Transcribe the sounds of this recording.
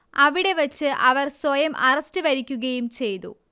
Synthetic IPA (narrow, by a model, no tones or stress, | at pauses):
ɐʋiɽe̞ʋɐt͡ɕːɨʔɐʋɐrswɐjɐmʔɐrɐstɨʋɐɾikʲːuɣɐjumt͡ɕe̞jt̪ṵ